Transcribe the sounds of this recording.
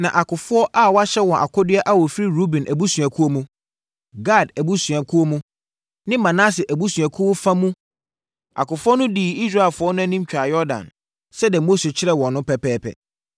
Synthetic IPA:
nã̰˨ʔa˨kʊ˨fʊ˦ɔ˦ʔa˦˨wɔ˦a˦ɕɛ˦wɔ̃˨ʔa̰˨kʰɔ˦dɪ˦ɛ˦ʔa˦wɔ˨fi˦ɾi˦ɾu˦bĩ˨nʔæ˨bu˦sɥa˨kʰu˦o˦mũ˦ | ɡa˦˨dæ˨bu˦sɥa˨kʰu˦o˦mũ˦ | nɪ̃˦mã˨nã˦s̬ɪ˨ʔæ˨bu˦sɥa˨kʰu˦wo˦fã˦mũ˦ | a̰˨kʊ˨fʊ˦ɔ˦nʊ̃˦di˨i˦s̬ɾa˦˨ɪ˨lfʊ˨˦ɔ˦nʊ̃˦æ˦nĩ˦m˦t͡ɕᶣa˨jɔ˦dã̰˨n | sɛ˦dɛ˨mo˦sɛ˨t͡ɕʰɪ˦ɾɛ˨wɔ̃˨nːʊ̃˦pʰɛ˨pʰɛː˦pʰɛ̰˨

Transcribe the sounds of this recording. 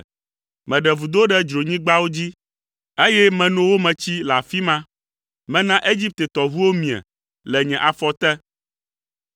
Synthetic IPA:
mɛ̃˨ɖɛ˨vu˨d̪o˦ɖɛ˦d͡ʒɾo˨ɲĩ˦ɡ͡ba˦wo˦d͡ʑi˦ | e˦jɛ˦mɛ̃˨nũ˦wo˦mɛ̃˨t͡ɕi˦la˨fi˦mã˦ | mɛ̃˨nã˦ʔe˦d͡ʑi˦p̚t̪e˨t̪ɔ˨vu˦wo˦mĩ˨ɛ̰˨ | lɛ˨ɲɛ̃˨ʔa˨fɔ˦t̪ɛ˦

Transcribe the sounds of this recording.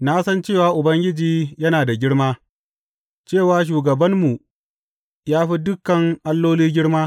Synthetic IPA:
naː˦sɐ˦nt͡ʃeː˦˨waː˨ʔʊ˨bɐ˦ŋɡʲɪ˦d͡ʒiː˦jɐ˦naː˨da˨ɡʲɪ˦ɽmaː˦ | t͡ʃeː˦˨waː˦ʃ̬uː˨ɡɐ˨bɐ˦mːu˨ | jaː˦ɸi˦dʊ˦kːɐ˨ŋʔa˦lːoː˦liː˦ɡʲɪ˦ɽmaː˦

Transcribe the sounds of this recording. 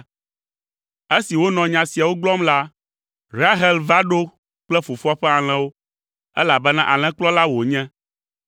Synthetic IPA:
e˦si˨wo˦nɔ̃˨ɲã˨si˨a˨wo˦ɡ͡blɔ˦mla˦ | ɾa˦ɦɛ˦lva˦ɖo˦ | k͡plɛ˦fu˨fu˦ɔ˦ɸɛ˦a˨l̃ɛ̃˨wo˦ | ɛ̰˦la˨bɛ˦nã˦ʔa˨l̃ɛ̃˨k͡plɔ˦la˦wo˨ɲɛ̃˦

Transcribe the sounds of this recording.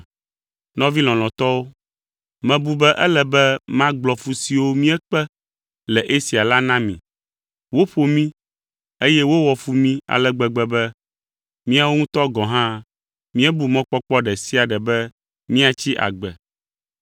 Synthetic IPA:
nɔ̃˦vi˦lɔ̃˨lɔ̃˨t̪ɔ˦wo˦ | mɛ̃˨bu˦bɛ˦ʔɛ˦lɛ˨bɛ˦mã˦ɡ͡blɔ˨fu˦si˨wo˦mĩ˦ɛ˦k͡pɛ˦ | lɛ˨ʔe˦si˨a˨la˦nã˦mḭ̃˨ | wo˦ɸo˨mĩ˦ | e˦jɛ˦wo˦wɔ˨fu˦mĩ˦a̰˨lɛ˦ɡ͡bɛ˨ɡ͡bɛ˦bɛ˦ | mĩ˦a˨˦wo˦ŋũ˦t̪ɔ˦ɡɔ̃˨ɦã˦ | mĩ˦ɛ˦bu˨mɔ̃˦k͡pɔ˦k͡pɔ˦ɖɛ˨si˦a˨ɖɛ˨bɛ˦ | mĩ˦a˨t͡ɕi˦ʔa̰˨ɡ͡bɛ˨

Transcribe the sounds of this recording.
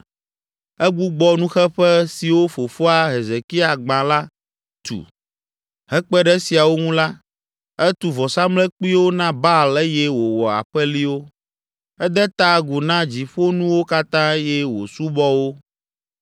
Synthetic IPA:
ɛ˦ɡ͡bu˦ɡ͡bɔ˦nũ˦xɛ˦ɸɛ˦si˨wo˦fo˨fo˦a˨ɦe˨ze˨ki˦a˨ɡ͡bã˨la˦ | t̪ṵ˨ | ɦɛ˦k͡pɛ˦ɖɛ˦si˨a˨wo˦ŋũ˦la˦ | ɛ˦t̪u˨vɔ˨sa˦mlɛ˦k͡pi˦wo˦nã˦ba˦˨lɛ˦jɛ˦wo˨wɔ˨a̰˨ɸɛ˦li˦wo˦ | ɛ˦d̪ɛ˦t̪a˦ɡu˨nã˦d͡ʑi˨ɸo˦nũ˦wo˦ka˦t̪ã˦jɛ˦wo̰˨su˦bɔ˦wo˦

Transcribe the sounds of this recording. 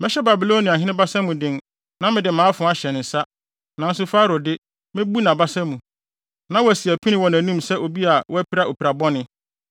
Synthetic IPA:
mɪ̃˦ɕɛ˦ba˨bi˨lo˦nĩ˨ã˨ɦɪ̃˦nɪ̃˦ba˦sã˦mũ˨dɪ̃˦n | nã˦mɪ̃˨dɪ˨mãː˨˦fʊ̃˨˦a˨ɕɛ˨n˨n̩˨sa˦ | nã˨˦n̩˦s̬ʊ˦faː˦ɾʊ˨dɪ˦ | mɪ̃˦bu˦nã˨ba˦sã˦mũ˨ | nã˦wɔ˦æ˨si˨æ˨pʰi˦nɪ̃˦wɔ˨næ̃˨nũ˦msɛ˦o˨bi˦a˨wɔ˦æ˦pʰi˦ɾa˦˨o˨pi˨ɾa˨bɔ˦nɪ̃˦

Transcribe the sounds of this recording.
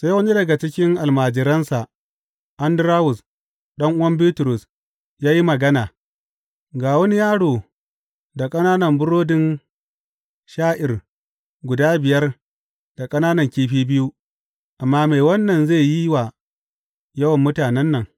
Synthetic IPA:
se˦wɐ˦ni˦dɐ˨ɡa˨t͡ʃɪ˦kʲɪ˦ŋʔa˨lmaː˨d͡ʒɪ˨ɾɐ˦nsa˨ | ʔa˦ndɪ˦ɾaː˦wʊ˨s | ɗɐ˦ŋʔʊ˦wɐ˦mbi˦tʊ˨ɾʊ˨s | jaː˦ji˦mɐ˨ɡɐ˦naː˨ | ɡaː˨wɐ˦ni˦jaː˦ɽoː˨ | da˨kʼɐ˦naː˦nɐ˨mbʊ˦ɾoː˦dɪ˦n | ʃaː˦ʔɪ˨r | ɡʷʊ˨daː˦bɪ˨jɐ˦r | d̥a˨kʼɐ˦naː˦nɐ˨ŋkʲiː˦ɸiː˦bɪ˦ju˦ | ʔa˨mːaː˦meː˨wɐ˦nːɐ˨nzeː˦˨ji˦wa˨ | jɐ˦wɐ˨mːʊ˦taː˨nɛ˦nːɐ˨ŋ

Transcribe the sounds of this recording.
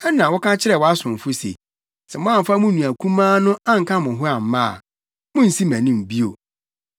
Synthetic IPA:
ɛ˦nã˨wɔ˦kʰã˦t͡ɕʰɪ˦ɾɛ˦˨wɔ˦a˦sʊ̃˨m˨fʊ˦sḛ˨ | sɛ˨mʊ̃˦ã˦m̩˨fa˦mʊ̃˦nũ˨æ˨kʰũ˦mãː˦nʊ̃˦a˦ŋ̩˨kʰã˦mʊ̃˨ɦʊ˦a˨m̩˨˦mã˦a̰˨ | mʊ̃˦n̩˨si˦mæ̃˨nĩ˦m̩˨bi˦o˨

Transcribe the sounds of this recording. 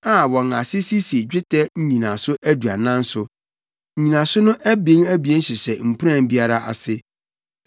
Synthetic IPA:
a˨wɔ̃˨ŋa˨sɪ˦si˦si˨e˨d͡ʑᶣɪ˦tʰɛ˦ɲ̩˦ɲĩ˨nã˨sʊ˦ʔæ˦du˨a̰˨nã˦n̩˦sʊ˨ | ɲ̩˨ɲĩ˨nã˨sʊ˦nʊ̃˦ʔæ˦bĩ˦ŋæ˦bi˨ɛ̃˦n̩˦ɕɪ˨sɛ˨m̩˨pʰu˦ɾã˦˨m˦bi˦a˦ɾa˦ʔa̰˨sɪ˦

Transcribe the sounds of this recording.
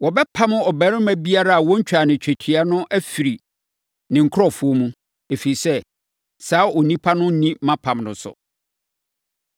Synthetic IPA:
wɔ˨bɛ˦pʰã˦mʊ̃˦ɔ˨bɛ˨˦ɾɪ̃˦mæ˦bi˦a˦ɾa˦a˨wɔ̃˦ɲ̩˦t͡ɕᶣa˨nɪ̃˨t͡ɕᶣɛ˨tʰi˨a˦nʊ̃˦ʔæ˦fi˨ɾi˨ | nɪ̃˨ŋ̩˨kʰɔ˦˨fʊ˨˦o˦mũ˦ | e˨fi˨i˨sɛ˦ | saː˦ɔ˨nĩ˦pʰa˦nʊ̃˦n̩˦nĩ˦mã˦pʰã˨mnʊ̰̃˨sʊ̰˨

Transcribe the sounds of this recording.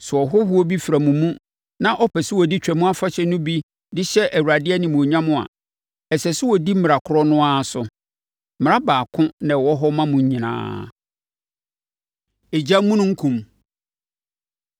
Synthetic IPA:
sʊ˨ɔ˨ɦɔ˦hu˦ɔ˦bi˦fɾa˨mũ˨mũ˦ | nã˦ʔɔ˦pʰɛ˨sɪ˦wɔ˨di˦t͡ɕᶣɛ˨mũ˦a˦fa˦ɕɛ˦nʊ̃˦bi˦ | dɪ˦ɕɛ˦ʔæ˨wu˨ɾa˨dɪ˦ɛ˦nɪ̃˨mũ˨o˨ɲã˦mʊ̃˦a̰˨ | ɛ˨sɛ˨sɪ˦wɔ˨di˦m̩˦mɪ˨ɾa˨kʰʊ˨ɾɔ˦nʊ̃˦a˦˨sʊ˨ | m˨a˦baː˨kʰʊ̃˦nã˨wɔ˦ɦɔ˦mã˦mʊ̃˨ɲ˦ɲĩ˨nã̰ː˦ | e˨d͡ʑa˦mũ˦nʊ̃˦ŋ̩˦kʰũ˨m

